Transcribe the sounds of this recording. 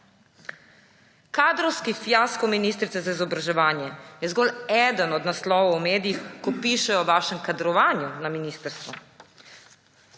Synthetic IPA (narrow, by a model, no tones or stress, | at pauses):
kaːd̪ɾɔwskifjaskɔwminiːst̪ɾit̪sɛzaizɔbɾaʒɛʋaːnjɛjɛzɡɔlɛːd̪ənɔd̪naslɔːʋɐwmeːd̪ijixkɔpiːʃɛjɔʋaːʃɛmkad̪ɾɔʋaːnjunaminiːst̪əɾst̪ʋɔ